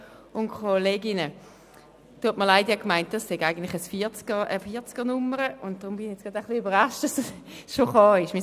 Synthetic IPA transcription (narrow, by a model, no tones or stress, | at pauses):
ʊnkʰoleːɡɪnə | tuətməɐlaɪdiɛkmaɪnt̚d̥ɑsːeɡaɪɡən̩tlɪ̥χəsfit͡skəʔəfiːɐt͡skənʊməʁəʊnt̚d̥ʁʊmb̥ɪnɪɛt͡sɡ̥ʁɑdaχliybəʁɑʃtɑsʃoχɑːɪʃmi